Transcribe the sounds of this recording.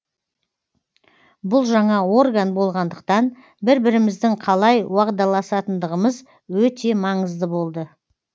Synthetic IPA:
bʊlˠʒɑɴɑwo̞rɡanbo̞lˠʁɑnd̪əq̚t̪ɑn | bɪɾbɪɾɪmɪzd̪ɪŋqʰɑlˠɑjwɑqd̪ɑlˠɑsɑt̪ənd̪əʁəməz | wɵt̪e̞mɑɴəzd̪əbo̞lˠd̪ə

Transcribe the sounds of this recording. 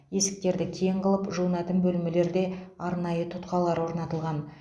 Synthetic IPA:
je̞sɪ̥k̚t̪e̞ɾd̪ɪkʲʰeɴqəlˠəpʒunæt̪ɪmbɵlmɪle̞ɾd̪e̞ɑɾnɑjət̪ʰʊt̪qɑlˠɑɾwo̞ɾnɑt̪əlˠʁɑn

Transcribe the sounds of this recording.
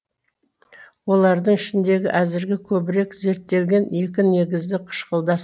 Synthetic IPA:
wo̞lˠɑɾd̪əɴɪʃɪnd̪e̞ɡʲɪʔæzɪɾɡʲɪkʲʰɵbɪɾe̞kze̞ɾt̪ːe̞lɡʲe̞ne̞k̬ʲɪne̞ɡʲɪzd̪ɪqʰə̥ʃqəlˠd̪ɑs

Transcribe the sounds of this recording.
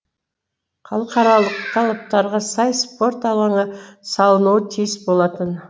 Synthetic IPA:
χɑlˠəqɑɾɑlˠəq̚t̪ʰɑlˠɑp̚t̪ɑɾʁɑsɑjspo̞ɾt̪ɑlˠɑɴəsɑlˠənuwət̪ʰijsbolˠɑt̪ən

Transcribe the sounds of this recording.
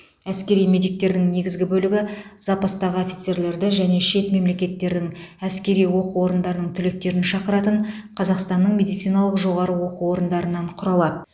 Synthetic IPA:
æskʲe̞ɾijme̞d̪ijk̚t̪e̞ɾd̪ɪŋne̞ɡʲɪzɡʲɪbɵlɪɡʲɪz̥ɑpɑst̪ɑʁəofʲi̥t̪se̞ɾle̞ɾd̪ɪʒæne̞ʃe̞t̪me̞mle̞kʲe̞t̪ːe̞ɾd̪ɪŋæskʲe̞ɾijwo̞quwo̞ɾənd̪ɑɾənəɴt̪ʰʏle̞k̚t̪e̞ɾɪnʃɑqəɾɑt̪əɴ | qʰɑzɑqst̪ɑnːəɴme̞d̪ijt̪sijnɑlˠəqʒo̞ʁɑɾəwo̞quwo̞ɾənd̪ɑɾənːɑɴqʰʊɾɑlˠɑd̪ə

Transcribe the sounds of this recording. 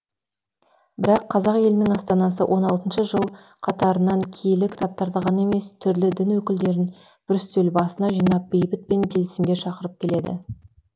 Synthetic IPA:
bɪɾɑqʰːɑzɑqje̞lɪnɪŋɑst̪ɑnɑs̬ə̰wʔo̞nɑlˠt̪ənʃəʒəlˠ | qʰɑt̪ɑɾənɑŋkʲʰejlɪkʲʰɪ̥t̪ʰɑp̚t̪ɑɾd̪ɑʁɑne̞me̞st̪ʰʏɾlɪd̪ɪnwɵkʲɪld̪e̞ɾɪn | b̥ɪɾʏst̪elbɑsənɑʒijnɑp̚be̞jbɪt̪̚pe̞ŋkʲʰe̞lɪsɪmɡʲe̞ʃɑqəɾəp̚kʲʰe̞le̞d̪ɪ̰

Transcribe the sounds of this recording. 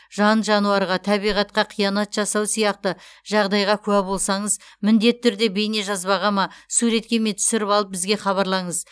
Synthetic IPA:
ʒɑnʒɑnuɑɾʁɑt̪ʰɑβijʁɑt̪̚qɑqʰijɑnɑt̪ʒ̥ɑsɑwsijɑqt̪əʒɑʁd̪ɑjʁɑkʲʰʊwæbo̞lˠsɑɴəzmɪnd̪e̞t̪ʰːʏɾd̪e̞bejne̞ʒɑzbɑʁɑmɑsuɾe̞t̪̚kʲe̞met̪ʰʏ̥sɪɾɪpɑlˠəp̚bɪzɡʲe̞χɑβɑɾlˠɑɴəz

